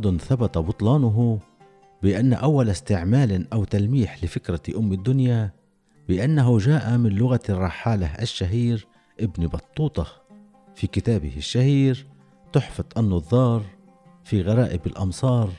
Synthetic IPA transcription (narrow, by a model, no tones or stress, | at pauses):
d̪ˤʊnθabat̪abʊt̪ˤlɑːnʊɦʊ | bɪʔanːaʔawːalast̪ɪʕmaːlʔawt̪almiːħlɪfɪkɾaʔʊmːɪd̪ːʊnja | bɪʔanːaɦʊʒaːʔamɪnlʊɣarˤːɑħːaːlaʔaʃːaɦiːɾ | ʔɪbnibɑt̪ˤːuːt̪ˤɑ | fikɪt̪aːbɪ̰hɪʃːahiːɾ | t̪ʊħfɑd̪ˤʔɑnːɑðˤːɑːɾˤ | fiɣaɾˤɑːʔɪbɪlʔɑmsˤɑːɾˤ